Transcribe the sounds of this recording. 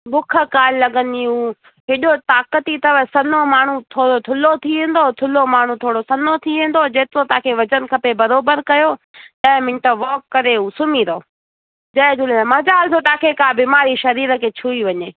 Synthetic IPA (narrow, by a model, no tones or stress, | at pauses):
ɓʊkʰə̆kaːlɪlɐɠə̃nd̪iɦuː | ɦɪɗot̪aːkət̪it̪ɐʋəsɐnomaːɳ̤ut̪ʰoːɽot̪ʰʊlot̪ʰiʋẽːn̆d̪ot̪ʰʊlomaːɳ̤ũt̪ʰoːɽosɐnot̪ʰiʋẽːn̆d̪od͡ʑeːt̪ɪɾot̪aaːkʰeʋɐd͡ʑən̆kʰɐpebɐɾoːbəɾkɐjoː | ɗɐɦmɪ̃nʈəʋɔːkːɐɾeuːsʊmiɾoː | d͡ʑɐɪ̃d͡ʒʊlemɐd͡ʑaːlt̪ʰot̪aːkʰekaːbiːmaːɾiʃɐɾiːɾə̆kʰeːt͡ɕʰuːiʋɐɲeː